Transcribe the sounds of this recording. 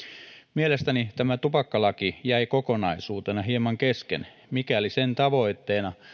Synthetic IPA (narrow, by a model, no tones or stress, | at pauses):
mielest̪ænit̪æmæt̪upɑkːɑlɑkijæiko̞ko̞nɑisuːt̪enɑɦiemɑŋkeskḛn | mikæolisent̪ɑʋo̞jt̪ːe̞ːnɑ